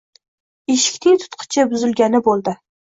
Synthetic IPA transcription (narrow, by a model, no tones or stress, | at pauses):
eʃɪ̥kʲt̪ʰɪt̪ʰʊ̥t̪qʰɨ̥t͡ʃʰɪbʊzɪlɡʲanɪbolˠd̪ɪ